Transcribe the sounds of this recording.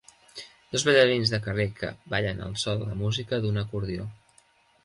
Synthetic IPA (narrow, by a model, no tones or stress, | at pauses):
d̪̥ozβəʎəɾinzðəkərekə̰baʎənə̰lˠsɔlːə̰muzikəðunəkuɾðio